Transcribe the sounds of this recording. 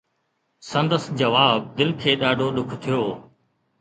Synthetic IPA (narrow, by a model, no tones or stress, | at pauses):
sə̃nd̪əsd͡ʒəʋaːb̚d̪ɪlkʰeːɗaːɖʱoːɗʊkʰt̪ʰɪjoː